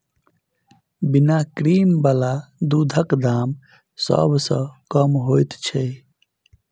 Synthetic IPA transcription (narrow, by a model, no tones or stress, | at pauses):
binakɾiːmbalad̪ud̪ʱəkd̪aːm | sə̰bʱsə̃kəmɦojt̪t͡ʃʰɛ